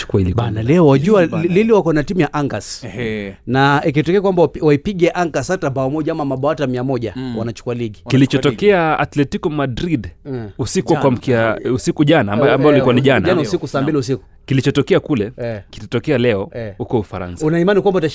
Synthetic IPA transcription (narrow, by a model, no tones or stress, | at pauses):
t͡ʃu̥kuailiɓanalɛɔwaʄualiliwakɔnatimujaʔaŋɡas | naik̬itɔkɛakwambawaipiɠɛʔaŋɡasatambaɔmɔʄaamamaɓawatamiamɔʄawanat͡ʃu̥kualiɡikilit͡ʃɔtɔkɛaat̪lɛtikɔmadɾidusikuakwam̩kiausikuʄanaaambaɔulikuaniʄanaanausikusaːmbiliusiku̥ | kilit͡ʃɔtɔkɛakulɛkitatɔkɛalɛɔhukɔufaɾa̰nsaunaimanikwambata